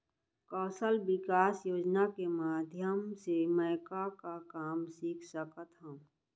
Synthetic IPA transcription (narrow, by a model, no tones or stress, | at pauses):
kɔːsəlbɪkaːsjoːd͡ʒnakemaːd̪ʱjəmseməːkakakaːmsiːkʰsəkət̪ɦə̃